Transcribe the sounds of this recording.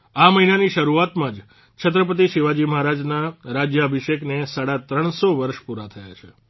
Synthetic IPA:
aməɦinaniʃəɾuat̪mãd͡ʒ | t͡ʃʰət̪̬ɾəp̬ət̪̬iʃiʋad͡ʒiməɦaɾad͡ʒnaɾad͡ʒjəəbʱiʃeknesaɽat̪ɾəɳ̃soʋəɾʃpuɾat̪ʰəja̰t͡ʃʰe

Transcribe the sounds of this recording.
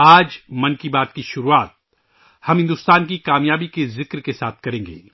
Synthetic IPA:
aːd͡ʒmɐ̃nkibaːt̪kiʃʊɾuaːt̪̚ | hɐmɦɪ̃nd̪ʊst̪aːnkikaːmjaːbikezɪkɾkesaːt̪̚ʰkɐɾẽːŋɡḛː

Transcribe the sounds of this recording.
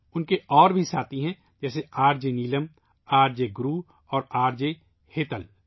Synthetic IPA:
ʊnkeʔɔːɾbʱisaːt̪iɦɛ̃ | d͡ʒɛːseaːɾd͡ʒeniːləm | aːɾd͡ʒeɡɾuː | ɔːɾaːɾd͡ʒe | heːt̪əl

